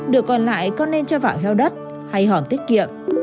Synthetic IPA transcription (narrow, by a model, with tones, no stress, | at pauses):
ɗɨ˨˩əkːɔ˨˩nla̰ː˧˨jkɔ˧nːe˧nt͡ɕɔ˧va̰ː˧˨wɦɛ˧wɗə˦˥t̚ | ha˧jɦɔ˧˩nt̪i˦˥k̚kḭ˧˨əm